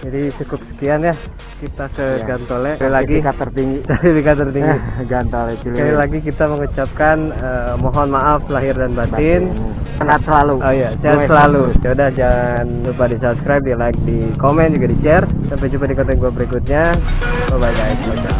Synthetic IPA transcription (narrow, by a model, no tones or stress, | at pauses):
d͡ʒadit͡ʃukʊp̚sə̥kianjah | kit̪akəɡant̪olɛlaɡikat̪ərt̪iŋɡisədipikat̪ərt̪iŋɡiɡant̪olɛpilailaɡik̬it̪aməŋut͡ʃap̚kanəmɔɦɔnmaʔaflaɦɪrdanbant̪ɪnənat̪səlaluojasaasəlalusaudahd͡ʒaŋan | upadisapskɾajp̚dialak̚dikomɛnd͡ʒuɡadit͡ʃɛrsampɛd͡ʒumpadikɔnt̪ɔŋɡuabəɾikʊt̪̚ɲa | əbad͡ʒaisada